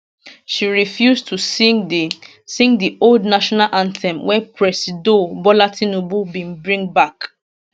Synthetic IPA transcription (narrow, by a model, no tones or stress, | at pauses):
ʃiɹifjustʰus | sĩŋɡdiʔoldnaʃɔnalʔãntʰɛ̃mwɛpʰɹɛsidobɔlatʰĩnobubĩnbɹĩŋbak